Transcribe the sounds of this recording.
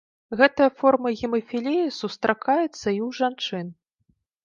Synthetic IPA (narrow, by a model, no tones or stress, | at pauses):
ɣɛt̪ɐjɐfɔrmɐɣʲɛmɐfʲilʲijisust̪ɾʔakajɛt̪sːɐiwʐant͡ʂɨn